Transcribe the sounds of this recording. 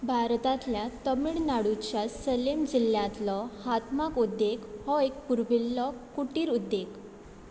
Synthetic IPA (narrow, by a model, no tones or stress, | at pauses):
bʱaɾt̪at̪ljat̪əmiɭnaɽut͡ɕjasəlemd͡ʑiljãt̪lɔhat̪makud̪ːekhɔek̚puɾbilːɔkuʈiːɾud̪ːek